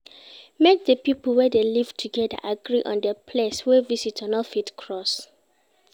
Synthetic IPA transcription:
mek̚dəpipəlˠwɛdelivtʰuɡɛda̰ʔaɡɹiʔɔ̰̃ndəpʰleswɛvisitʰɔ̃nɔlfitkʰɹɔs

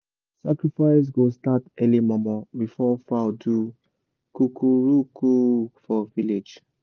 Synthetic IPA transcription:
sakɹifaɪs̬ɡostatɛlimɔmɔ̃bifɔfadu | kukuɹukʰufɔviled͡ʒ

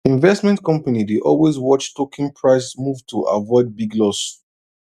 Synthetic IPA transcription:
ĩnvɛstmɛ̃ntkɔ̃mpanideʔɔlwezwɔt͡ʃtokʰĩnpʰɹaɪsmuvtʰuʔa̰vɔɪd̚biɡlɔs

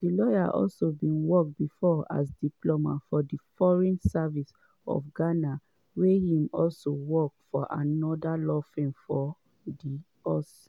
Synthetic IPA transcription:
dilɔja̰ʔɔ̰lsobĩnwɔk̚bifɔa̰sdiplomafɔdifɔɹɛ̃nsavis | ɔ̰fɡana | wehĩmɔlsowɔk̚fɔʔa̰nɔdalɔfɹẽmfɔ | di | ɔs

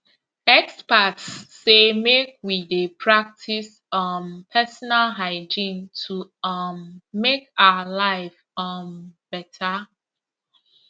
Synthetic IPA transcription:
ɛkspatsː | emek̚widepʰɹak̚tʰis | ʌmpʰɛsɔnalɦaɪd͡ʒĩntʰuʌmːekaalaɪf | ʌmb̥ɛtʰa

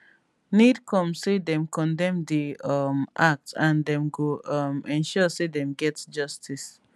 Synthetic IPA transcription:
nid̚kʰɔ̃msedɛ̃mkʰɔ̃ndɛ̃mdiʌmʔak̚tãndɛ̃mɡomɛ̃nʃɔsedɛ̃mɡɛtsd͡ʒʌstʰis

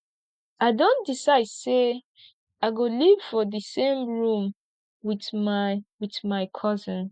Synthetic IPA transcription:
aɪdõnd̥isaɪd̥se | aɪɡoliv̥fɔðɨsẽmɹũm | wiθ | wiθmaɪkʰʌzə̃n

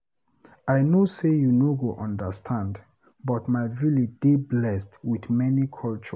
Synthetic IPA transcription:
ajnosejunoɡoʔɔ̃ndəstʰãnd | bɔtmaɪɹilidiblɛstwiθmɛnikʰɔlt͡ʃə

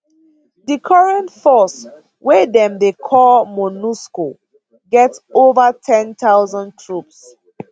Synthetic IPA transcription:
dikʰɔɹɛ̃ntfɔs | wedɛ̃mdekʰɔlmɔnusko | ɡɛtsovətʰɛ̃ntʰawzɔ̃ntʰɹups

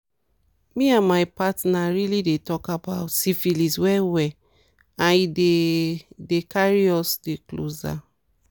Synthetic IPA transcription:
miãnmaɪpatnaɹilidetɔkabaʊtsifiliswɛwɛ | ãnide | dekaɹiɔsdeklo̰za̰

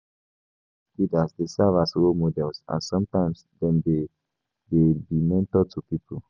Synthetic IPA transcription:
kidasdesavaswomodɛlsã̰sɔ̃mtãɪ̃msdɛ̃nde | debimɛ̃ntɔtʰupipə

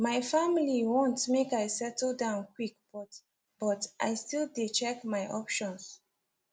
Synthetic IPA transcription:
maɪfamiliwõntmekaɪsɛtʰl̩ˠdãʊ̃nkʰwik̚b̥ɔt | b̥ɔtʔa̰jstilˠdet͡ʃɛkmaɪʔɔpʃɔ̃ns

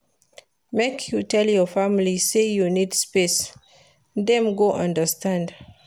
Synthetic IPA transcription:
mekʰjutʰɛljɔfamilisejunidspes | dɛ̃mɡoʔãndəstãnd

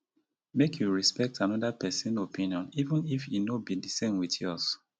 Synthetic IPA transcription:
mekʰjuɹispɛk̚tʰanɔdapʰɛsə̃nopʰĩnjɔ̃nivə̃nifinobidisẽmwiθjɔs

